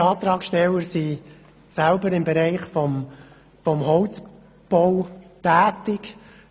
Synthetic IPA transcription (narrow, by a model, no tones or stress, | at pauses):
ɑːt̪ɾɑːkʃtɛlːəɾsi | sælbəɾɪmbɛɾæɪχfɔm | fɔmhɔʊt͡s | b̥ɔwtæːt̪ɪk